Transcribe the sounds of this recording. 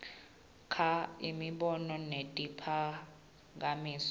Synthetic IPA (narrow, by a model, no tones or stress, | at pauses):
kʰaimiɓɔnɔnetʼipʰa | ŋ̬ʼamiːs